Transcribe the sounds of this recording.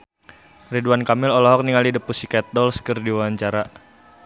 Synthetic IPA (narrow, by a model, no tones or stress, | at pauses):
riduankamɪlɔlɔɦɔk̚niŋalidəpusikɛt̪̚dɔlskərdiawaɲt͡ʃaɾa